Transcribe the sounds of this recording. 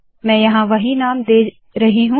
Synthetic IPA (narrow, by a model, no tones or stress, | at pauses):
mɛ̃ːjɐɦãʋɐɦinaːmd̪eː | ɾɐɦiɦũ